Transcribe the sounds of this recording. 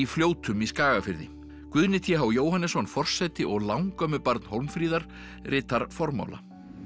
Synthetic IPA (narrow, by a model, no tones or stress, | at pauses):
ifljoːwt̪ʰʏmiskaːɣafɪɾðɪ̰ | kvʏðnɪt̪ʰjɛɦawjoːwhanːɛsɔnfɔr̥sɛt̪ɪʔɔɣlawŋkœmʏpaɾt̪nhowlmfɾiːðaɾ̥ | rʔɪːt̪aɾ̥fɔɾma̰wla̰